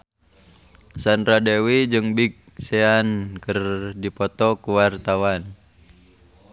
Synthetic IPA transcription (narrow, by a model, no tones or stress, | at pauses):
sanɾadewid͡ʒɨŋbik̚sɛankərdipɔt̪ɔkuwart̪awan